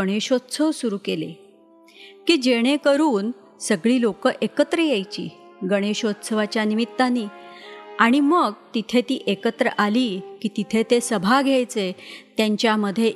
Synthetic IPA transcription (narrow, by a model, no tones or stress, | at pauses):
əɽ̃eɕot̪sʰəʋsuɾuːkelḛ | kiːd͡ʑeɽ̃ekəɾuːn | səɡɭiːlokəʔekət̪ɾəjejt͡ɕḭː | ɡəɽ̃eɕot̪sʰəʋat͡ɕjanimit̪ːanːiːaɽ̃iməɡt̪it̪ʰet̪iːʔekət̪ɾə̰ʔaliːkiːt̪it̪ʰet̪esəbʱaɡʱjajt͡set̪jaɲt͡ɕjaməd̪ʱːje